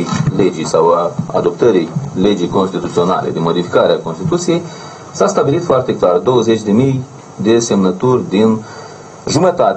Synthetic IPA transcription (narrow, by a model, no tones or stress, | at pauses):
led͡ʒisawəa̰d̪opt̪əɾiled͡ʒikonst̪it̪ut̪siona̰lḛd̪imod̪ifi̥kaɾeakonst̪it̪ut̪sijej | sast̪abilit̪foart̪eklard̪owəzet͡ʃd̪emij | d̪esemnət̪urʲd̪in | ʒumət̪at̪